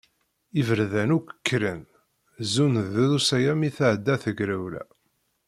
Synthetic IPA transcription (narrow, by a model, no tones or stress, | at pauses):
ivəɾðænukʷə̥kːɾən | zunðuðusæjæmiθaʕəd̪ːæθəɡɾæwlæ̰